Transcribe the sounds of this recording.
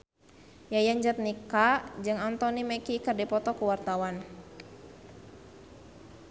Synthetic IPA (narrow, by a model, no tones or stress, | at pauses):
jajaɲd͡ʒat̪̚nikad͡ʒɨŋant̪ɔnimɛkikərdipɔt̪ɔkuwart̪awan